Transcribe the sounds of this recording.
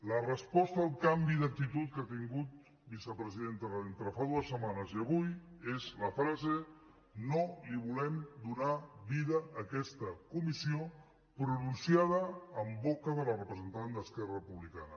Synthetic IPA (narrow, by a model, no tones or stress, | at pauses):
lərəspɔst̪əaːlˠkambiðək̚t̪it̪ut̪̚kat̪iŋɡut̪̚ | bisəpɾəziðent̪əðent̪ɾəfaðuəsːəmanəziəβujezləfɾaze | noliβulɛmd̪unaβiðəʔːkɛst̪əkumisio | pɾununsjað̞əːmbɔkəðələrəpɾəzənt̪and̪əskɛrəəpuβlika̰nə